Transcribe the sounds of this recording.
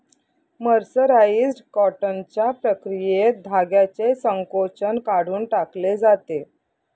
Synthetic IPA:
məɾsəɾaisʈkɔʈənt͡ɕjapɾəkɾijed̪ʱaɡjat͡sesəŋkot͡ɕənkaɽ̤uːnʈakled͡zat̪e

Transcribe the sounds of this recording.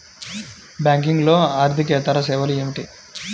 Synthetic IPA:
bjaːŋk̬iŋɡlo̞ːaːɾt̪ik̬ɛːt̪ɐɾɐs̬ɛːʋɐlieːmiʈi

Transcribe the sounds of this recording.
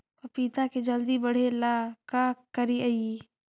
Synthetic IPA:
pɐpiːt̪aked͡ʒɐld̪ibɐɽ̤elakakɐɾiɐi

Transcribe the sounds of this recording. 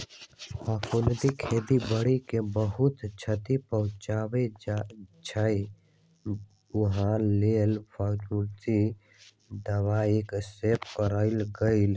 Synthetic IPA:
pʰafʰuld̪ikʰeːd̪ibəɽikebəɦʊt̪t͡ʃʰət̪ipəɦʊ̃t͡ʃaːʋe | t͡ʃʰəi | ʊɦãlelpatut̪i | d̪əʋaeksepkəɾəɪlɡəɪl

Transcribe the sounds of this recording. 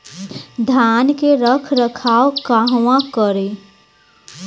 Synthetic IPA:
d̪ʱaːnkeɾəkʰɾəkʰaːokaɦwãkəɾe

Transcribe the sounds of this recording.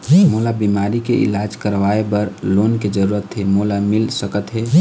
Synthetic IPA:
molabimaɾikeʔḭlad͡ʒkəɾʋaebəɾloːnked͡ʒəɾuɾət̪ɦemolamɪlsəkət̪ɦe

